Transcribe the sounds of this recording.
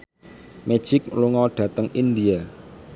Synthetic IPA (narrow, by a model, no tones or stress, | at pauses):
me̥ʒ̥ɪkluŋɔɖ̪̥ä̤t̪əŋind̪ia